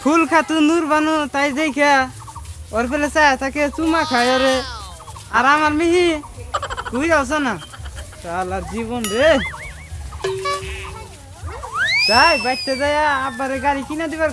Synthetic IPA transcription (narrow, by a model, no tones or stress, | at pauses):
kʰulkʰat̪unuɾbanut̪ajdɛjkʰa | ɔɾpʰɛlɛsajat̪aket͡ʃumakʰajɔɾɛ | aɾamaɾmiɦĩ | kujɾaws̬anat̪alaɾd͡ʒiβɔnɾe | tajbajʈ̚t̪edajaːbaɾɛɡaɾikinad̪ibaɾ